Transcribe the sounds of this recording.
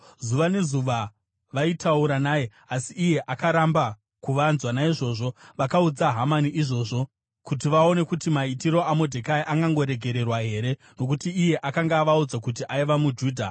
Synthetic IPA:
zuʋane̞zuʋa | ʋaitʰauɾanaːje | asiʔːje̞ʔakaɾamba | kuʋanzwanaiʐo̞ːʐo̞ʋakaud͡zaɦamaniʔiʐo̞ːʐo̞ | kut̬iʋao̞ne̞kutimaitiɾo̞amodʱekaiʔaŋɡaŋɡo̞ɾe̞ɡʱe̞ɾe̞rwaɦe̞ːɾe̞ | no̞kutiːje̞ʔakaŋɡaːʋaud͡zakut̬iʔaiʋamud͡ʒuːdʱa̰

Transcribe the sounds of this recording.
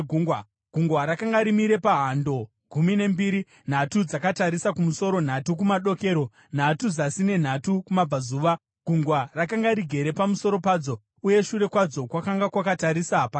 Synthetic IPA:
ɡʱuŋɡwa | ɡ̥ʱuŋɡwaɾakaŋɡaɾimiɾe̞paɦando̞ | ɡʱumine̞mbiɾi | n̤atud͡zakataɾisakumuso̞ɾo̞n̤atukumaɗo̞ke̞ːɾo̞ | n̤atud͡zasine̞n̤atukumab͡vazuːʋa | ɡ̥ʱuŋɡwarakaŋɡaɾiɡʱe̞ɾe̞pamuso̞ɾo̞paːd͡zo̞ | uje̞ʃuɾe̞kwad͡zo̞kwakaŋɡakwakataɾisapa

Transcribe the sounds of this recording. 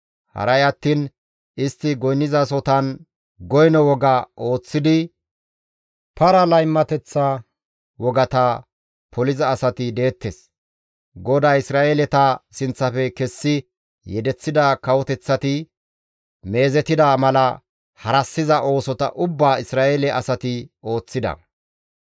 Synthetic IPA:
hɐ̰ɾɐjɐt̪ːiːn | ɪst̪ːɪɡɔjnːɪzɐs̬ɔt̪ɐn | ɡɔjnɔwɔɡɐʔo̞ːt͡sːɪd̪ɪ | pɐɾɐlɐjmːɐt̪ɛt͡sːɐ | wɔɡɐt̪ɐ | pʰɔlɪzɐːsɐt̪ɪd̪e̞ːt̪ːes | ɡɔd̪aːɪsɾaːʔelɛt̪ɐsɪnt͡sːɐfɛkɛsːɪ | jɛd̪ɛt͡sːɪd̪akɐwɔt̪ɛt͡sːɐt̪ɪ | me̞ːzɛt̪ɪd̪amɐlɐ | hɐɾɐsːɪzɐʔo̞ːsɔt̪ɐ̰ʔʊbːaːɪsɾaːʔelɛʔɐsɐt̪ɪo̞ːt͡sːɪd̪ɐ̰

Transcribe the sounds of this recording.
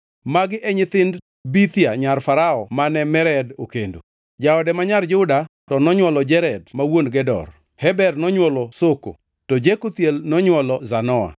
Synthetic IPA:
maɡɪʔɛɲɪt̪ɪnd | bit̪jaɲarfaɾaɔmanɛmɛɾɛdokendo̰ | d͡ʒaɔdɛmaɲard͡ʒʊdatɔnɔɲwɔlɔd͡ʒɛɾɛdmawonɡɛdɔ̰r | hɛbɛrnɔɲwɔlɔsoko̰ | tɔd͡ʒekut̪jelnɔɲwɔlɔzanɔa̰

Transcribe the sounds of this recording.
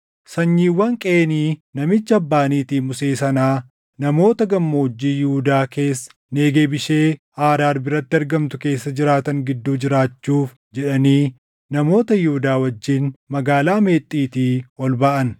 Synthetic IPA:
sɐɲːiːwːɐŋkʼeːniːnɐmɪt͡ʃːɐbːaːniːt̪iːmʊse̞ːsɐnaː | nɐmo̞ːt̪ɐɡɐmːoʊd͡ʒːiːjuːd̪aːke̞ːsː | neːɡe̞ːbɪʃe̞ː | aːɾaːɾbɪɾɐt̪ːɪɐɾɡɐmt̪ʊke̞ːsːɐd͡ʒɪɾaːt̪ɐŋɡɪd̪ːuːd͡ʒɪɾaːt͡ʃːuːf | d͡ʒɛᶑɐniː | nɐmo̞ːt̪ɐjuʊd̪aːwɐd͡ʒːiːnmɐɡaːlaːme̞ːt̪ʼːiːt̪iːɔlbɐʔɐn

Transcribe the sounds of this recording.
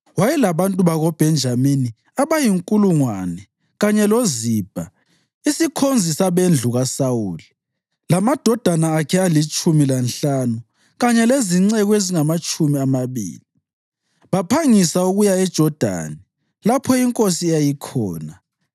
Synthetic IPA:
wajɛlaβantʼuβaɣɔb̥ʱɛnd͡ʒʱamini | aβajiŋkʼuluŋwanɛ | ɣaɲɛloziːb̥ʱa | isikʰond͡zʱisaβend͡ɮʱuɣasawuːli | lamad̥ʱɔd̥ʱanaːkʰɛalit͡ʃʼumilanɬanu | ɣaɲɛleziŋ͡ǀɛɣeziŋamat͡ʃʼumiamaβḭːli | βapʰaŋisauɣujaɛd̥ʒ̥ʱɔd̥ʱa̰ni | lapʰɔiŋkʼosijajikʰɔ̰ːna

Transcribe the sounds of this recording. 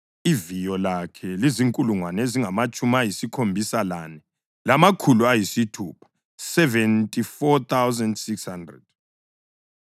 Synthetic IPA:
ivijɔlakʰɛliziŋkʼuluŋwaneziŋamat͡ʃʼumajisikʰombʱisalanɛ | lamakʰuluajisitʰupʰḁ | sɛvɛntʼifɔt̪ʰawzandsikshandrɛ̰d̥̚

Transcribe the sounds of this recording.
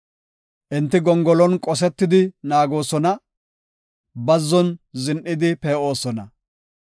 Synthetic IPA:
ʔɪnt̪ːɪɡɔŋɡɔlɔnkʼɔs̬ɛt̪ːɪd̪ɪnaːɡo̞ːsɔnɐ | bɐzːɔnzɪnʔɪd̪ɪpeːʔo̞ːsɔnɐ

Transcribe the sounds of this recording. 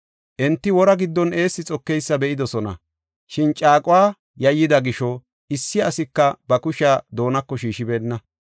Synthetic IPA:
ʔɛnt̪ːɪwɔɾɐɡɪd̪ːɔne̞ːsːɪt͡sʼɔkːɛjsːɐbɛʔɪd̪ɔsɔnɐ̰ | ʃɪnt͡ʃʼaːkʼʊwaː | jɐjːɪd̪ɐɡɪʃɔ | ʔɪsːɪɐsɪkːɐbɐkʊʃad̪o̞ːnɐkːɔʃiːʃɪbe̞ːnːɐ

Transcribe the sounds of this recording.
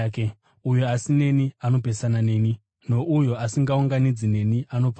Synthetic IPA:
ke | ujo̞asine̞niano̞pe̞sanane̞ːni | no̞ʔujo̞asiŋɡauŋɡanid͡zine̞niano̞pa

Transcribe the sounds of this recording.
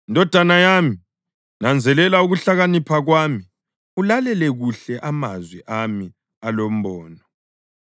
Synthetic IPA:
indʱɔd̥ʱanajami | nand͡zʱɛlɛlauɣuɬaɣanipʰaɣwami | ulalɛlɛɣuɬɛʔamazwiʔami | alom̩bɔːnɔ

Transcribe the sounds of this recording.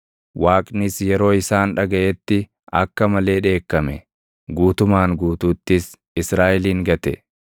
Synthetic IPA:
waːkʼnɪsjɛɾo̞ːɪsaːnᶑɐɡɐʔɛt̪ːɪ | ɐ̰kːɐmɐle̞ːᶑe̞ːkːɐmɛ | ɡuːt̪ʊmaːŋɡuːt̪uːt̪ːɪs | ɪsɾaːʔɪliːŋɡɐt̪ɛ̰

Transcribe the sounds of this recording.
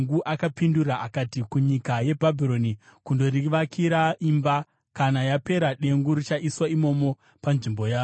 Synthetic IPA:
ŋɡuʔakapinduɾaʔakatikuɲikaje̞bʱabʱiro̞nikundo̞ɾiʋakʰiɾaimba | kanajape̞ɾaɗe̞ŋɡuɾit͡ʃaʔiswaimo̞mo̞ | panʐimbo̞jaː

